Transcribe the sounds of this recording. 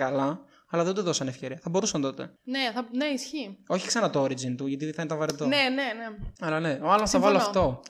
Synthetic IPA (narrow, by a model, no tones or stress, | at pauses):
kɐlɐ | ɐlɐðend̪uðo̞sɐnefçe̞ɾiɐθɐbo̞ɾusɐnt̪o̞t̪eneθɐneisçio̞çi̥ksɐnɐt̪ooɾizint̪uʝɐt̪iðθɐinet̪ɐvɐɾet̪oneneneɐlɐne̞oɐlosθɐvɐloɐft̪o̞